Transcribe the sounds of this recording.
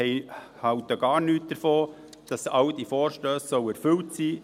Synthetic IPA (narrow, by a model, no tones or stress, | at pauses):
ɛɪ | hɑwtəɡ̥ɑːɾnyːt̚d̥əɾfoː | d̥ɑsɑwd̥ifɔːɾʃtøːsːœwæɾfʏltsiː